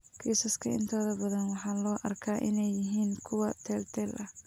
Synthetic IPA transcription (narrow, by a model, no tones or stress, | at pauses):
kʰisɐskʰɐɪ̰nt̪ʰɔːðɐbɐðɐnwɑħɑːlɔːʔɐrkʰaːʔɪnɛjːɪɦiːnkʰʊwɐt̪ʰɛːlt̪ʰɛːlʔɐh